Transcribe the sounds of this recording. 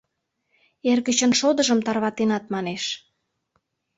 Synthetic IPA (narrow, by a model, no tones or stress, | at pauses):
erɣət͡ɕənʃod̪ə̆ʒəmt̪ɑrβɑt̪enɑt̪̚mɑneʃ